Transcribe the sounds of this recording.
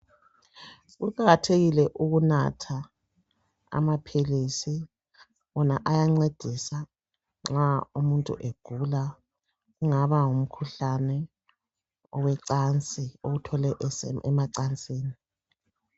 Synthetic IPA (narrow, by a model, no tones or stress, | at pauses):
ɣuǃaɣatʰeɣilɛʔuɣuna̰tʰa | a̰mapʰilisi | βɔnaʔajaŋ͡ǀed̥ʱisa | ŋ͡ǁaumuntʼṵʔeɡ̥ʱula | ɣuŋaβaŋum̩kʰuɬanɛ | ɔwɛǀant͡sʼioɣutʰɔlɛʔɛ̰maǀant͡sʼiːni